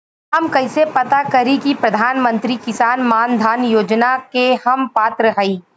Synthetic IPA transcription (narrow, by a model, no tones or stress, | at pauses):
ɦɐmkɐɪsepɐt̪akɐɾikipɾɐd̪ʱaːnmə̃nt̪ɾikɪsaːnmaːnd̪ʱaːnjoːd͡ʒnakehɐmpaːt̪ɾəɦɐiː